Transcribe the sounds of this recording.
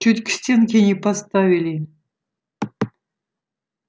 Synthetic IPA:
t͡ʃut̪ʲkʲɪ̥sʲt̪ʲenkʲenʲipast̪ɑvʲilʲi

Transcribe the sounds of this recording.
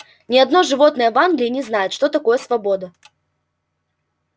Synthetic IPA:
nʲɪɐd̪no̞ʐɨvo̞t̪nəjəvanɡlʲɪːnʲɪznajʊt̪ʂt̪ot̪ɐko̞jəsvɐbod̪ə

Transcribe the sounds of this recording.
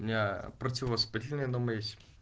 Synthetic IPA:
mʲɪnʲapɾətʲɪvəspʲitʲɪlʲnəjənoməjesʲtʲ

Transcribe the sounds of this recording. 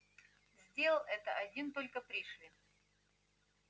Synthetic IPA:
zʲdʲellˠɛt̪əʔɐdʲint̪o̞lʲkəpɾʲiʂlʲi

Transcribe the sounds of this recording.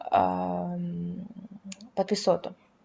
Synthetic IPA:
pɐt̪̚pʲisɔt̪ʊ

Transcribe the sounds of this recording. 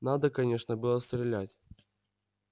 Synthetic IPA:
nad̪əkɐnʲe̞ʂnəbɨlˠəst̪ɾʲɪlʲætʲ

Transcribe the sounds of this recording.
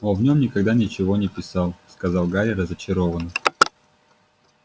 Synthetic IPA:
ovnʲo̞mnʲɪkɐɡd̪anʲɪt͡ɕɪvonʲɪpʲɪsɑlˠskɐzɑlˠɡaɾʲɪɾəzət͡ɕɪɾovənə

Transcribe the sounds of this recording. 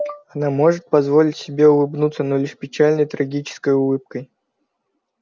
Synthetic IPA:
ɐnamo̞ʐɨt̪̚pɐzvo̞lʲɪtʲsʲɪbʲeʊlˠɨbnut̪sənolʲɪʂpʲɪt͡ɕalʲnəjt̪ɾɐɡʲit͡ɕɪ̥skəjʊlˠɨp̚kəj

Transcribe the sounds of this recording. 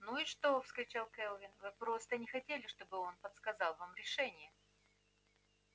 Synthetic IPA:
nuɪʂt̪o̞fskɾʲɪt͡ɕalˠkɛlˠvʲɪnvɨpɾo̞st̪ənʲɪxɐtʲelʲɪʂt̪o̞bɨo̞npət̪skɐzɑlˠvamɾʲɪʂɛnʲɪjə

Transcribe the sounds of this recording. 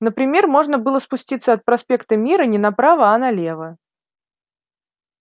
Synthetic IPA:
nəpɾʲɪmʲe̞rmo̞ʐnəbɨlˠəspʊsʲtʲit̪səɐt̪̚pɾɐspʲe̞kt̪əmʲiɾənʲɪnɐpɾavəɐnɐlʲe̞və

